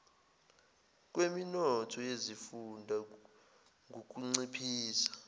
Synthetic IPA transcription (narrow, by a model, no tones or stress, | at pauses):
k̬ʼweminɔtʰɔjezifundʱa | ŋʱuk̬ʼuŋ͡ǀipʰiːsḁ